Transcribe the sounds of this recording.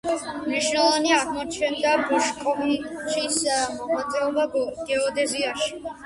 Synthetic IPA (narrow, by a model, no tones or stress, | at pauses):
mniʃnɛlɔvaniaʁmɔt͡ʃʰɛnd̪abɔʃkʼɔviʃismɔʁat̪sʼɛɔbaɡɡ̥ɛɔd̪ɛziaʃi̥